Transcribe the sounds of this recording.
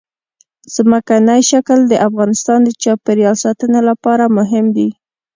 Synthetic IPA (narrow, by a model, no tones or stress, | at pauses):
z̥məkanajʃakld̪əʔafɣɑnɪst̪ɑnd̪ət͡ʃɑpeɾjɑlsɑt̪ənelapɑɾamʊɦɪmd̪i